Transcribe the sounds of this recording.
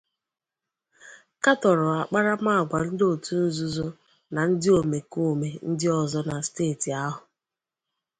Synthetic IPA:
ka˦tɔ˨ɾʊ˨a˨k͡pa˦ɾa˦m˦a˦˨ɡʷa˨n̩˦do˦˨tu˦n̩˦zu˦zo˦ | na˨n̩˦dɪ˦o˨me˨ko˦˨me˨n̩˦dɪ˦ɔ˨zɔ˦na˨steː˦˨ti˨a˦ɦʊ˨

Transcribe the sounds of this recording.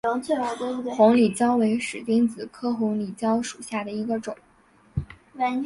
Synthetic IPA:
t͡se˥˧˩a˧˥˧xʊ˧˥ŋli˨˩t͡ɕjɑ˥ʊwe˧˥ɪʂɻ̩˨˩t̪i˥ŋt͡sɹ̩˨˩kʰɤ˥xʊ˧˥ŋli˨˩t͡ɕjɑ˥ʊʂu̥˨˩ɕja˥˩d̪ə˩i˧˥ɡə˧ʈ͡ʂʊ˨˩˦ŋ | wa˧˥

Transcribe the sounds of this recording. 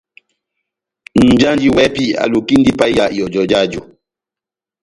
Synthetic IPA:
n̩˨d͡ʒa˦nd͡ʒi˦wɛ˦pi˦a̰˨lu˨ki˦n˦di˦pa˦a˦˨ʔjɔ˨d͡ʒɔ˨d͡ʒa˦˨d͡ʒu˨

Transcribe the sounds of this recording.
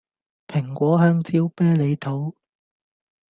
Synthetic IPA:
pʰɪ˨˩ŋkʷɔː˨˥ɦœː˧ŋt͡siː˥wpɛː˥le˨˧jt̪ʰo˨˥w

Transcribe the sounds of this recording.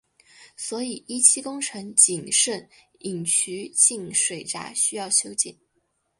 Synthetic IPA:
swɔ˧˥i˨˩i˥t͡ɕʰi˥kʊ˥ŋʈ͡ʂʰɤ˧˥ŋt͡ɕi˨˩ŋʂwə˥˩ni˨˩ŋt͡ɕʰy˧˥t͡ɕi˥˩nʂwe˨˩ɪʈ͡ʂa̰˧˥ɕy˥jɑ˥˩ʊɕjo˥ʊt͡ɕḭ˨˩˦n

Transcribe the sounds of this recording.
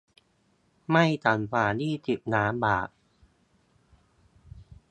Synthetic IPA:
ma˥˩jt̪a˨˩nfaː˨˩niː˥˩t̪i˨˩p̚naː˨˦˥mba̰ː˨˩k̚

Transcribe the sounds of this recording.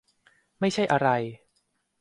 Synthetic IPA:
ma˥˩jt͡ɕʰa˥˩jʔa˧ɾa˧j

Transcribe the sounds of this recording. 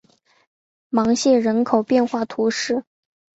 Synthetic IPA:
mɑ˧˥ŋɕjɛ˥˩ɻə˧˥nkʰo˨˩ʊpjɛ˥˧nxwa˥˩t̪ʰu˧˥ʂɻ̩˥˩

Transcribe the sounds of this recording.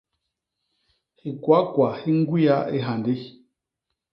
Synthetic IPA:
hi˨kwa˨˦kwa˨hi˦ŋ˦ɡwi˦a˦ḭ˦ɦa˨ndi˦

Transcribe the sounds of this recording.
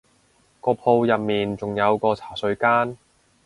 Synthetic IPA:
kɔː˧pʰo˧wjɐ˨p̚miː˨nt͡sʊ˨ŋjɐ˨˧wkɔː˧t͡sʰaː˨˩sɵ˨˧ɥkaː˥n

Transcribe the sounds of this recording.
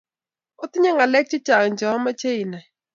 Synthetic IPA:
o˦t̪i˦ɲa˦ŋɡa˨lɛ˦k̚t͡ʃi˦t͡ʃa˨ŋ˨nd͡ʒa˨ɔ˦ma˦t͡ʃʰe˦i˨na˨

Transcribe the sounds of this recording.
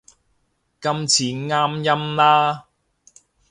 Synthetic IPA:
kɐ˥mt͡sʰiː˨˥ŋaː˥mjɐ˥mlaː˥

